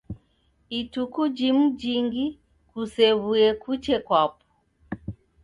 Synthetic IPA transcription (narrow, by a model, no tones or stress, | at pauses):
itukud͡ʒimud͡ʒiŋɡi | kusɛβuɛkut͡ʃɛkwapɔ̥